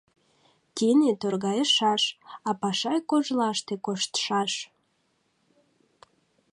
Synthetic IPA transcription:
t̪inet̪orɣɑjəʃɑʃɑpɑʃɑjkoʒlɑʃt̪ekoʃt̪ə̥ʃɑʃ

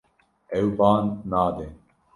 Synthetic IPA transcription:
ɛwbɑːnːaːd̪eː

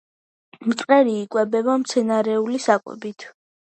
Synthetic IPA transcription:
mt̪sʼqʼɛɾiːkʼwɛbɛbamt̪sʰɛnaɾɛulisakʼwɛ̰bit̪ʰ

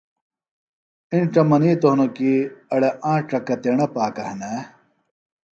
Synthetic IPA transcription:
inʈ͡ʂɐmɐniːt̪oɦnokiɐɽɐʔãːʈ͡ʂɐkɐt̪eɳɐpaːkɐhnɐ

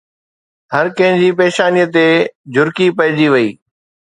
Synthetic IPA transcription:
ɦɐɾkɐ̃ɦɪ̃nd͡ʑiːpeːʃaːnijət̪ed͡ʑʊɾkipɐɦɪd͡ʑiʋɐḭː

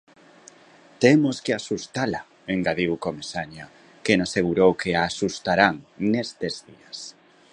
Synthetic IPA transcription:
t̪emoskeasust̪ala | eŋɡaðiwkomesaɲa | kenaseɣuɾowkeaːsust̪aɾaŋnest̪ezðias

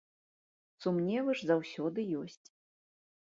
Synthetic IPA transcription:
sumnʲɛvɨʐzawsʲɔd̪ɨjɔsʲt͡sʲ

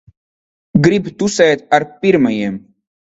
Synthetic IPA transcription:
ɡɾipt̪usɐt̪ɐɾpiɾmɐjem

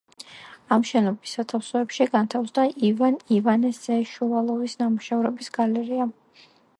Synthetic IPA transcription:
amʃɛnɔbisːat̪ʰafsɔɛpʃiɡant̪ʰafsd̪aʔivanivanɛsɛʃualˠɔvisnamuʃɛvɾɛbisɡ̥alɛɾia

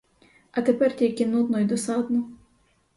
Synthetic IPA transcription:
ɐt̪epɛrtʲilʲkʲɪnud̪nɔjd̪ɔsɑd̪nɔ

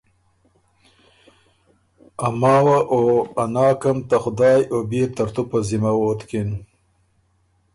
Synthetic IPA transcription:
amɑːwaʔoanɑːkamt̪axʊd̪ɑːjobeːt̪aɾt̪upəzimawoːt̪kin

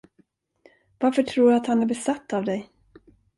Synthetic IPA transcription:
vaɾfœʈʰɾuːɾat̪hanæɾbɛsat̪ʰːavd̪ɛj

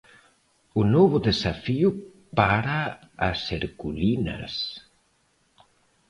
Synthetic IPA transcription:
unɔβuðesafiu | paɾa | aseɾkulina̰s

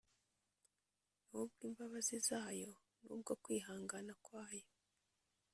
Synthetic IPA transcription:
nub̚ɡiːmbaβazizaːjo̞ | nṵːb̚ɡokwiːɦaːŋɡanakwaːjo

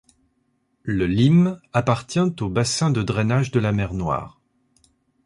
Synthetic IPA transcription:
ləlimapaʁt̪jɛ̃t̪obasɛ̃d̪əd̪ʁɛnaʒd̪əlamɛʁnwa̰ːʁ

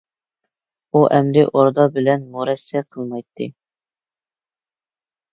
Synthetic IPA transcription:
uʔɛmlɪʔoɾd̪ɑbɪlɛnmuɾɛsːɛqʰəlˠmɑjt̪ʰːɨ̰

